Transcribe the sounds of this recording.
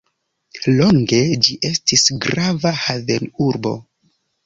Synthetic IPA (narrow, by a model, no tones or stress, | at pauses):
lo̞ŋɡe̞d͡ʒiʔe̞stisɡɾavahavenuɾbo̞̰